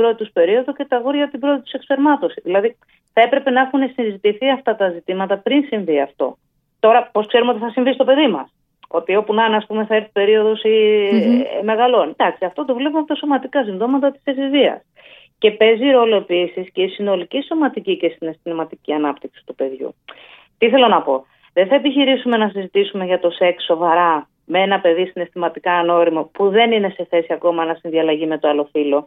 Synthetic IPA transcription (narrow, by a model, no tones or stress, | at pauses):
bɾo̞t̪it̪uspe̞ɾio̞ðuce̞t̪ɐɣoɾʝɐt̪ibɾo̞t̪it̪usekspe̞ɾmɐt̪o̞siðilɐði | θɐe̞pɾe̞pe̞nɐexune̞sinzit̪iθiɐft̪ɐt̪ɐzit̪imɐt̪ɐpɾinsiɱviɐ̰ft̪o̞̰ | t̪o̞ɾɐpo̞skse̞ɾumeot̪iθɐsiɱvist̪o̞pe̞ðimɐ̰s | o̞t̪io̞punɐnɐspume̞θɐeɾθi̥pe̞ɾio̞ðosi | me̞ɣɐlo̞nd̪ɐksiɐft̪o̞t̪ovle̞p̬umɐpot̪ɐso̞mɐt̪ikɐsiɱðo̞mɐt̪ɐt̪i̥sesizviɐ̰s | ce̞pe̞ziɾo̞lo̞e̞pisisce̞isinoliciso̞mɐt̪icice̞sine̞st̪imɐt̪iciɐnɐpt̪iksi̥t̪upe̞ðʝṵ | t̪iiθe̞lonɐpo̞ | ðenθɐepiçiɾisume̞nɐsizit̪isume̞ʝɐt̪o̞se̞ksːo̞vɐɾɐ | mee̞nɐpe̞ðisine̞st̪imɐt̪ikɐːno̞ɾimopuðe̞nine̞se̞θe̞siɐko̞mɐnɐsinðiɐlɐʝime̞t̪oɐlo̞filo̞